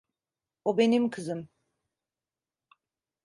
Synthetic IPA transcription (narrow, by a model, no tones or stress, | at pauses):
obenimkʰɯzɯm